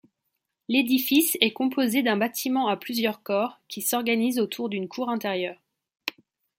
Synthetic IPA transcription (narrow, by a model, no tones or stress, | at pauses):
led̪ifisɛkɔ̃pozed̪ɛ̃bat̪ʰimɑ̃aplyzjœʁkɔʁkʲisɔʁɡanizot̪ʰuʁd̪ynkʰuʁɛ̃t̪eʁjœːʁ